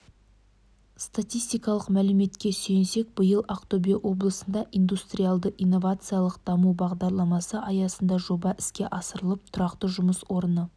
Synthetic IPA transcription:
st̪at̪ijst̪ijkɑlˠəqmælɪme̞t̪kʲe̞sejɪnse̞k̚bəjəlˠaqt̪obiwʔo̞blˠəsənd̪ɑʔijnd̪ust̪rʲijalˠd̪əʔijnːo̞vat̪sɨjalˠəqd̪̥ɑmubɑʁd̪ɑɾlˠɑmɑsəʔɑjɑsənd̪ɑʒo̞bɑʔɪ̥skʲe̞ʔɑsəɾəlˠəp̚t̪ʰʊɾɑqt̪əʒʊməswo̞ɾənə

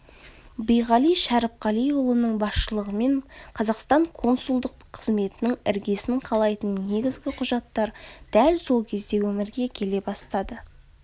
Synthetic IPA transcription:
bijʁɑlijʃæɾəp̚qɑlˠijʊlˠənəɴbɑsʃəlˠəʁəme̞ɴqʰɑzɑqst̪ɑɴkʰo̞nsulˠd̪əqʰəzme̞t̪ɪnɪŋɪ̰ɾɡʲe̞sɪɴqʰɑlˠɑjt̪ənne̞ɡʲɪzɡʲɪqʰʊʒɑt̪ːɑɾd̪̥ælso̞lˠkʲʰe̞zd̪e̞wɵmɪɾɡʲe̞kʲʰe̞le̞bɑst̪ɑd̪ə

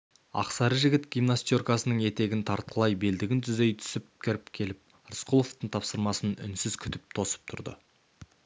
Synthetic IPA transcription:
ɑ̰qsɑɾəʒɪɡʲɪt̪ɡʲijmnast̪ijorkɑsənəɴe̞t̪e̞ɡʲɪnt̪ʰɑɾt̪̚qʰəlˠɑjbe̞ld̪ɪɡʲɪnt̪ʰʏze̞jt̪ʰʏ̥sɪp̚kʲʰɪɾɪpkʲʰe̞lɪp̚ | ɾsqʰulˠo̞ft̪əɴt̪ʰɑpsəɾmɑsənʏ̰nsɪz̥kʲʰʏt̪ɪp̚t̪ʰo̞sə̥p̚t̪ʰʊɾd̪ə̰

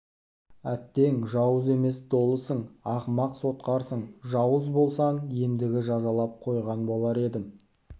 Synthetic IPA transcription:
æt̪ːe̞ŋʒɑwəze̞me̞sd̪o̞lˠəsəɴɑqmɑqso̞t̪̚qɑɾsəɴʒɑwəzbo̞lˠsɑɴje̞nd̪ɪɡʲɪʒɑzɑlˠɑp̚qʰo̞jʁɑnbo̞lˠɑɾe̞d̪ɪm

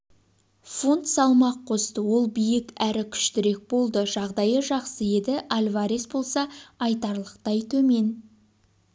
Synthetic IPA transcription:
fo̞nt̪sɑlˠmɑqqʰːo̞st̪əwo̞lˠbijɪkæɾɪkʲʰʏ̥ʃt̪ɪɾe̞k̚bo̞lˠd̪əʒɑʁd̪ɑjəʒɑqsəje̞d̪ɪʔalʲvaɾesbo̞lˠsɑɑjt̪ɑɾlˠəqt̪ɑjt̪ʰɵme̞n

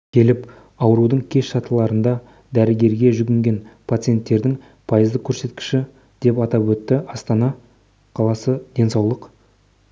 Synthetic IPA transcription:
kʲʰe̞lɪp | ɑwəɾud̪əɴkʲʰe̞ʃʃɑt̪əlˠɑɾənd̪ɑ | d̪æɾɪɡʲe̞ɾɡʲe̞ʒʏɡʲɪŋɡʲe̞npʰat̪sɨje̞nt̪ːe̞ɾd̪ɪŋ | pʰɑjəzd̪əkʲʰɵɾse̞t̪kʲɪ̥ʃɪ | d̪̥e̞pɑt̪ɑpwɵt̪ːɪɑst̪ɑnɑ | qʰɑlˠɑsəd̪e̞nsɑwlˠəq

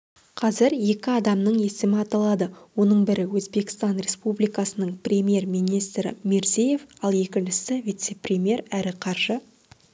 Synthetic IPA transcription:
qʰɑzɪɾje̞kʲɪɑd̪ɑmnəɴje̞sɪmɪɑt̪ɑlˠɑd̪əwo̞nəɴbɪɾɪwɵzbe̞kʲɪ̥st̪ɑnɾʲe̞spublijkɑsənəɴprʲe̞mʲje̞rmijnijst̪ɾɪ̰meɾzeje̞fɑlˠe̞kʲɪnʃɪsɪvijt̪se̞prʲemʲje̞ɾæɾɪqʰɑɾʒə

